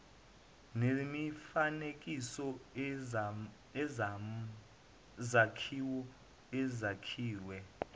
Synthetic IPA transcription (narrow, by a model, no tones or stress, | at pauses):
nemifanekʼisɔ | ɛ | zakʰiwɔ | ɛzakʰiːwɛ